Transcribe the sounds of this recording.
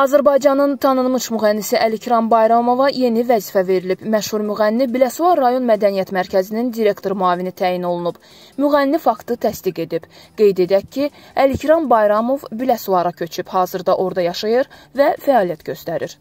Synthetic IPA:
ɑzæɾbɑjd͡ʒɑnɯnt̪ʰɑnɯnmɯʃmyɣænːisiʔælicʰɾɑnbɑjɾɑmo̞vɑje̞nivæziːfæve̞ɾilibmæʃhuɾmyɣænːibilæsuɑɾːɑjo̞nmæd̪ænijæt̪mæɾcʰæzinind̪iɾe̞kt̪ʰo̞ɾmuɑːvinit̪ʰæːjino̞lˠunub̥ | myɣænːifɑkt̪ɯt̪ʰæsd̪iɡe̞d̪ib̥ɡ̥e̞jd̪e̞d̪æcʰːiælicʰɾɑnbɑjɾɑmo̞vbilæsuɑɾɑcʰø̞t͡ʃʰyb̥hɑːzɯɾd̪ɑʔo̞ɾd̪ɑjɑʃɑjɯɾvæfæɑːlijæt̪ɟø̞st̪æɾiɾ

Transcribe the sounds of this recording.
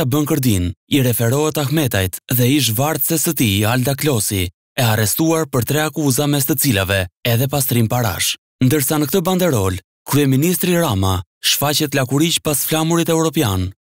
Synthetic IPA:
abəŋkəɾd̪iniɾɛfɛɾɔɛt̪axmɛt̪ajt̪ðɛiʃ̬vaɾt̪sɛsət̪iald̪aklɔsi | ɛarɛst̪uaɾpəɾt̪ɾɛakuzamɛst̪ət͡silavɛɛðɛpast̪ɾimpaɾa̰ʃ | nd̪əɾsanək̚t̪əband̪ɛɾɔl | kɾyɛminist̪ɾiɾamaʃfat͡ɕɛt̪lakuɾicpasflamuɾit̪ɛwɾɔpjan

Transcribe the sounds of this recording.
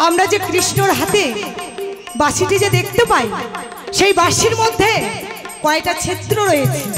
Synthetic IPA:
amɾad͡ʑekɾiʃnoɾɦat̪e | baʃiʈid͡ʑed̪ekʰt̪epaj | ʃejbaʃiɾmod̪ʱːekɔek̚ʈat͡ɕʰet̪ːɾoɾojet͡ɕʰi

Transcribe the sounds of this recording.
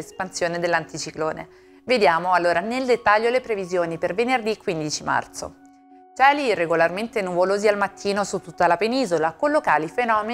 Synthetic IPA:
espansjoːned̪elːant̪it͡ʃikloːne | ved̪jaːmoalːoːɾaneld̪et̪ːaʎːolepɾevizjoːnipervenerd̪ikːwind̪it͡ʃima̰rt̪so̰ | t͡ʃɛːlirːeɡolarment̪enuvoloːzialmat̪ʰːiːnosut̪ːut̪ːalapeniːzolakolːokaːlifenɔːme

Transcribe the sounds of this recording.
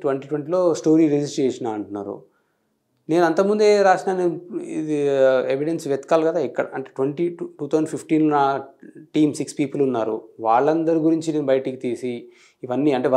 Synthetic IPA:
ʈʋɐɳʈiːʈʋeɳʈiːlo̞ːsʈo̞ːɾiɾed͡ʒisʈɾeːʂɐnaːɐɳʈunːa̰ːɾṵ | ne̞ːnuɐnt̪ɐmund̪e̞ɾaːʂnaːniiieʋiɽensʋjɐt̪i̥kaːlkɐd̪aːikːɐɽɐ̰ɐɳʈeːʈʋeɳʈiʈuːt̪ʰɐːzɐɳpʰifʈiːnnaːʈiːmsikspiːpɐlunːaːɾuʋaːɭːɐnd̪ɐɾuɡuɾiɲt͡ʃine̞ːnubɐjɐʈikit̪iːsiː | ʋɐnːiːɐɳʈe̞ːʋɐ

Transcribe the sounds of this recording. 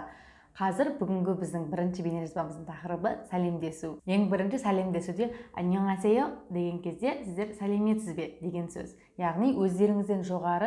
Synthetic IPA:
qʰɑzɪɾbʏɡʲɪŋɡʲɪbɪzd̪ɪŋbɪɾɪnʃɪbe̞neʒɑsbɑməzd̪əɴt̪ʰɑqɾəbəsæle̞md̪e̞suje̞ŋbɪɾɪnʃɪsælʲe̞md̪e̞sud̪e̞a̰njoŋæsejod̪e̞ɡʲe̞ŋkʲʰe̞zd̪e̞sɪzd̪e̞ɾsæle̞me̞t̪sɪzbe̞d̪e̞ɡʲe̞nsɵ̰z | jɑʁnijwʔɵzd̪e̞ɾɪŋɪzd̪e̞nʒo̞ʁɑɾə

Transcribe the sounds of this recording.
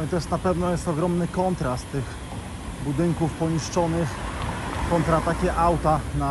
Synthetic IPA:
it̪ɔjɛst̪napɛvnɔjɛst̪ɔɡɾɔmnɘkɔnt̪ɾast̪ɘx | bud̪ɘŋkufpɔɲiʂt͡ʂɔnɘxkɔnt̪ɾat̪akʲɛʔawt̪ana

